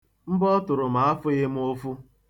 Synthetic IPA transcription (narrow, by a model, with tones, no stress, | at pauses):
m̩˦bɔ˦tʊ˨ɾʊ˨m̩a˨˦a˦fʊ˦ɣɪ˦m̩˦o˦fu˦